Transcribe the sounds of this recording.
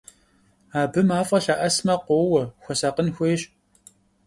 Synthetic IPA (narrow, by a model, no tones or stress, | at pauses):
aːbɨmaːfʼɐɬɐʔɐsmɐqʷoːwɐxʷɔsɐqənxʷeːɕ